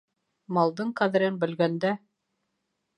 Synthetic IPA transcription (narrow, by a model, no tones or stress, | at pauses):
mɑlˠd̪ɤɴqæðɘ̆ɾɘnbɘ̆lɡænd̪æ